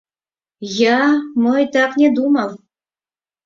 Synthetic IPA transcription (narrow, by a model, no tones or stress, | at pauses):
jamɤjt̪ɑknʲed̪umaw